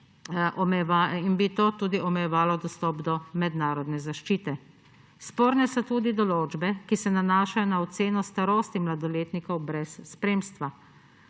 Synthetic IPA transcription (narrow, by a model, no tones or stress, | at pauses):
ʔɔmɛɛʋainbit̪oːt̪uːd̪iʔɔmɛjɛʋaːlɔd̪ɔst̪ɔːpd̪ɔmɛd̪naːɾɔd̪nɛzaʃt͡ʃiːt̪ɛ | spoːɾnɛsɔt̪uːd̪id̪ɔloːd͡ʒbɛkisɛnanaːʃajɔnaɔt̪seːnɔst̪aɾoːst̪imlad̪ɔleːt̪nikɔwbɾɛsːpɾeːmst̪ʋa